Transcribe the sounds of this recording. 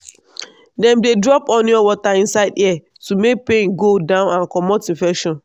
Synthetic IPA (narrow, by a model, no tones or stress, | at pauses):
dɛ̃mdedɹɔpɔ̃niɔwɔtaĩnsaɪdiɛ | tumek̚pẽnɡodãʊ̃nãnkɔmɔtĩfɛkʃɔ̃n